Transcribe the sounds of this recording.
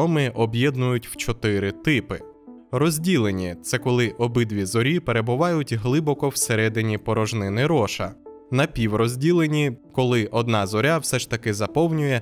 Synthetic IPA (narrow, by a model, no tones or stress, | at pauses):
ɔmɪʔɔbjɛd̪nʊjʊtʲw̥t͡ʃɔt̪ɪɾɪt̪ɪpɪ | rɔzʲdʲilˠenʲit̪sɛkɔlˠɪʔɔbɪd̪ʋʲizɔɾʲipeɾe̞bʊʋɑjʊtʲɦlˠɪbɔkɔwseɾɛd̪ɪnʲipɔɾɔʒnɪnɪɾɔʃɐ | nɐpʲiwrɔzʲdʲilˠenʲikɔlˠɪʔɔd̪nɑzɔɾʲawsɛʃt̪ɐkɪzɐpɔwnʲʊjɛ